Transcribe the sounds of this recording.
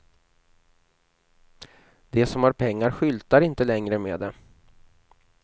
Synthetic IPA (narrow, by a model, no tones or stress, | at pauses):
d̪ɛsɔmhaɾpʰɛŋːaɾɧʏlt̪aɾɪnt̪əlɛŋɾəmḛːd̪ɛ